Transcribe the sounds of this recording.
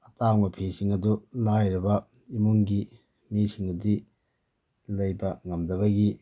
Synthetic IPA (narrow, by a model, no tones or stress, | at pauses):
ɐtaŋmɐpʰisiŋɐdulajɾibɐ | imuŋɡi | misiŋɐdi | lɐjbɐŋɐmdɐβɐɡi